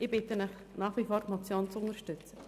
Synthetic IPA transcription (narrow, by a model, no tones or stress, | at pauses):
ɪb̥ɪtənɪχ | nɑːχʋifɔːɾmɔt͡sjoːnt͡sʊnəɾʃtʏt͡sə